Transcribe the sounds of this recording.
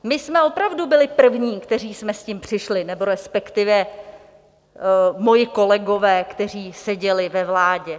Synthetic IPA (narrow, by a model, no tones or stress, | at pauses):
mɪsmɛo̞pɾavdubɪlɪpr̩vɲiːkt̪ɛriːsmɛscimpr̝̥ɪʃlɪnɛbo̞ɾɛspɛkt̪ɪvɛ | mo̞jɪko̞lɛɡo̞vɛːkt̪ɛr̝iːsɛɟɛlɪvɛvlaːɟɛ